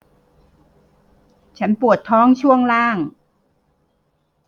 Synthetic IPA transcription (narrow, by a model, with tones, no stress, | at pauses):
t͡ɕʰa˦˥npu˨˩ət̪ʰːɔː˦˥ŋt͡ɕʰu˥˩əŋlaː˥˩ŋ